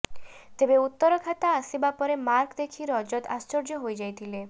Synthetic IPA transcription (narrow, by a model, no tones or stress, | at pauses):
t̪ebeut̪ːɔɾɔkʰat̪aːsibapɔɾemaɾkd̪ekʰiɾɔd͡ʒɔd̪a̰st͡ʃɔɾd͡ʒɔɦojd͡ʒajt̪ʰile